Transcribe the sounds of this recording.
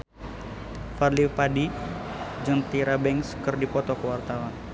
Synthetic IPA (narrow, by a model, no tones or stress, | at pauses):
farlipadi | d͡ʒɔnt̪iɾabɛŋskɨrdipɔt̪ɔkəwart̪awan